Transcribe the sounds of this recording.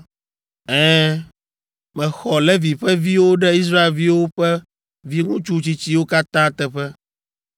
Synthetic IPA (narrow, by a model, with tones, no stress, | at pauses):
ɛ̃˦ | mɛ̃˨xɔ˨lɛ˦vi˨ɸɛ˦vi˦wo˦ɖɛ˦i˦s̬ɾa˦e˨lvi˦wo˦ɸɛ˦ | vi˦ŋũ˦t͡ʃu˦t͡ɕi˦t͡ɕi˦wo˦ka˦t̪ã˦t̪ɛ˨ɸɛ˦